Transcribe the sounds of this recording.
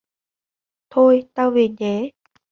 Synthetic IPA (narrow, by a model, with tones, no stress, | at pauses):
t̪ʰo˧jt̪aː˧wvi˨˩nt͡ɕe˨˦